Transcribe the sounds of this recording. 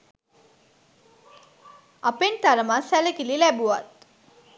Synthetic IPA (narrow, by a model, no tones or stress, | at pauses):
apent̪aɾəmasæləkililæbuʋat̪̚